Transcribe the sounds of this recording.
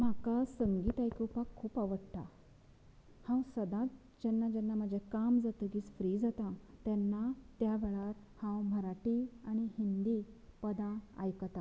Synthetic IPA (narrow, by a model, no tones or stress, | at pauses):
m̤akasəŋɡiːt̪ajkuwpakʰːuːpaʋəɽt̪a | hãwsəd̪ãt̪̚ | d͡ʑɛnːad͡ʑɛnːam̤əd͡ʑekamd͡zat̪əɡit͡sfɾiːd͡zat̪at̪janːat̪jaʋeɭaɾ | hãwm̤əɾaʈiaɽ̃ihind̪iːpəd̪ãa̰jkət̪a